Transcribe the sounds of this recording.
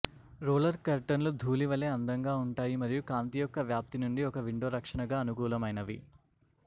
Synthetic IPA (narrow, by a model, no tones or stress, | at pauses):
ɾoːlɐɾkɐɾʈɐnlud̪ʱuːliʋɐleːɐnd̪ɐŋɡaːuɳʈaːjimɐɾijukaːnt̪iːjɔkːɐʋjaːp̚t̪inuɳɖiɔkɐʋiɳɖoːɾɐkʂɐɳɐɡaːɐnukuːlɐmɐjnɐʋḭ